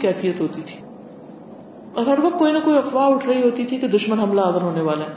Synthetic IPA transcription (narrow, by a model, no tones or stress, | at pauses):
kɛːfijət̪ɦoːt̪it̪ʰi̥ː | ɔːɾɦɐɾʋɐq̚t̪̚koːinɐkoːiɐfʋaːʊʈʰɾɐɦiɦoːt̪it̪ʰiked̪ʊʃmənɦɐmlaːɡəɾɦoːneʋaːlaɦɛː